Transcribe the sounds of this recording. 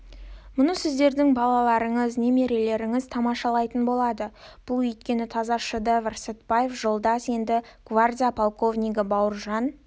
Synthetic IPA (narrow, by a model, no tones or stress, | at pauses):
mʊnəsɪzd̪e̞ɾd̪ɪŋbɑlˠɑlˠɑɾəɴəzne̞me̞ɾe̞le̞ɾɪŋɪzt̪ʰɑmɑʃɑlˠɑjt̪ənbo̞lˠɑd̪əb̥ʊlˠɵjt̪̚kʲe̞nɪt̪ʰɑzɑʃəd̪əvɑrset̪baje̞fʒo̞lˠd̪ɑsje̞nd̪ɪɡ̥vardʲijapʰolˠko̞vnʲijɡɪbɑwʊɾʒɑn